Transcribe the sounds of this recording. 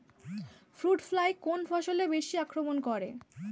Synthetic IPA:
fɾuʈflajkonfʰɔʃolebeʃiakɾomonkɔɾe

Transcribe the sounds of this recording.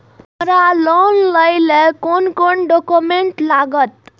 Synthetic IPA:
mɾalonləjlekonkoɳɖokumeɳʈlaɡət̪̚

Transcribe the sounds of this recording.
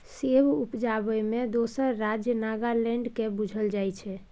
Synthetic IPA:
sebupd͡ʒabəmed̪osəɾːad͡ʒjənaɡalɛ̃ɳɖkebud͡ʒʱəld͡ʒajt͡ʃʰɛ

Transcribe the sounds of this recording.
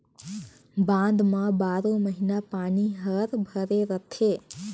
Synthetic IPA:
bãːnd̪mãbaːɾõmɐɦɪnapaːniɦəɾbʱɐɾeɾɐt̪ʰeː

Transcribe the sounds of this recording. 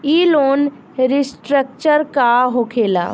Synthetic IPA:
iːloːn | ɾɪsʈɾək̚t͡ʃəɾkaɦokʰeːla̰ː

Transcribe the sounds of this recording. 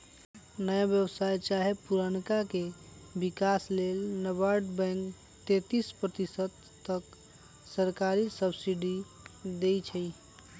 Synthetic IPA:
nəjabjəbsajt͡ʃaɦepuɾənkake | bikaslelnəbaɾɖbɛ̃ŋk | t̪et̪ispɾət̪isəd̪ | t̪ːək | səɾkaɾisəbsiɖi | d̪ejt͡ʃʰəj

